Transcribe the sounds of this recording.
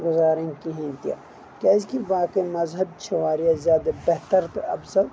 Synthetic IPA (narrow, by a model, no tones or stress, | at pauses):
ɡʊzaːɾẽŋkiɦĩnt̪ija̰ | kaːzkiʋaːkemɐzɦɐb̚t͡ʃʰɐʋaːɾijazjaːd̪abeɦt̪əɾt̪ɐ̰bsɐt̪